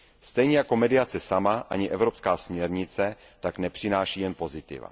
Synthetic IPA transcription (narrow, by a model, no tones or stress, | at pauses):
st̪ɛjɲɛjako̞mɛdɪjat͡sɛsamaʔa̰ɲɪʔɛvɾopskaːsmɲɛɾɲɪt͡sɛ | t̪aknɛpr̝̥ɪnaːʃiːjɛnpo̞zɪt̪ɪ̰va̰